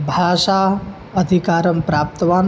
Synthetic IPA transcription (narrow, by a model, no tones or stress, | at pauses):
bʱaːʃaː | ɐd̪ʱikaːɾɐmpɾaːp̚t̪ɐʋaːn